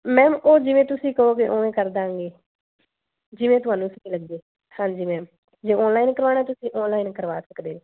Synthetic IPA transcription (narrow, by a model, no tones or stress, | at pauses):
mɛ̃ːmoːd͡ʒɪʋẽːt̪ʊsĩːkəɦoːɡeʔoːʋẽːkəɾd̪aːŋɡeː | d͡ʒɪʋẽːt̪ʊɦaːnũːsəkiːləɡ̚d̪eː | hãːɲd͡ʒiːmɛ̃ːm | d͡ʒeːɔːnlaːiːnkəɾʋaːnaɛːt̪ʊsĩːʔɔːnlaːiːnkəɾʋa̰ːsəkd̪eːeː